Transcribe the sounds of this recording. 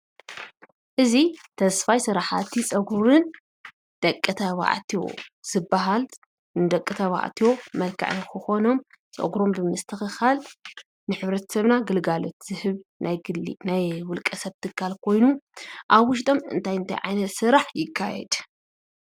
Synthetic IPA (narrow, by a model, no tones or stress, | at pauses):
ʔɨzit̪ʰɐsfajsɨɾaħat̪ʰit͡sʼɐɡuɾɨn | d̪̥ɐkʼːɨt̪ʰɐβa̰ʕt̪ʰio̰z̥ɨbːaɦal | nɨd̪ɐkʼːɨt̪ʰɐβa̰ʕt̪ʰijo̞mɐlkʰa̰ʕɨnkʰɨxo̞no̞m | t͡sʼɐ̰ɡɾo̞mbɨmɨst̪ʰɨxɨxal | nɨħɨβɾɐt̪ʰɐ̥sɐβnaɡɨlɡalo̞t̪z̥ɨhɨβnajɡɨlinajwʊlkʼɐsɐβt̪ʰɨkʰːalkʰo̞jnuʔaβwʊʃ̬t̪ʼo̞mɨ̰nt̪ʰajɨnt̪ʰa̰jʕajnɐt̪sɨɾaħjɪkʰːa̰jɛ̰d̪̥